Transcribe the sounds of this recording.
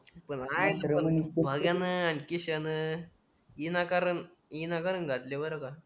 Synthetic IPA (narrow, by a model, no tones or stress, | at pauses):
pəɳajt̪əbʱəɡjanəankiɕanə | inakaɾən | inakaɾənɡʱat̪leʋəɾaka